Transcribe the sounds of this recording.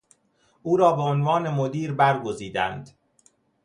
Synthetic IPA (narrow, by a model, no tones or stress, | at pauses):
ʔuːɾɒːbe̞onvɒːnemod̪iːɾbæɾɡo̞ziːd̪æ̰nd̪